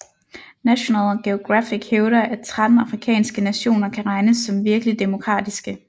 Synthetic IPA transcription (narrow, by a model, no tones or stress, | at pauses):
næɕo̝nɛlɡ̥eo̝ɡ̥ʁafiɡ̥heʊɾɐʔæt͡sʰʁɑd̥n̩ɑ̈fʁikʰɛ̰ːnsɡ̥ənæɕo̝̰ːnɐkʰæʁɑ̈ɪnəsːɒ̽mʋiɐɡ̥əlid̥e̝mo̝kʰʁɑ̰̈ːd̥isɡ̥ə